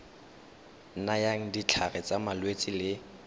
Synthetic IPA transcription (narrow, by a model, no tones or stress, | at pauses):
n̩najaŋ̩dit͡ɬʰarɛt͡sʼamalwet͡sʼɪlɪ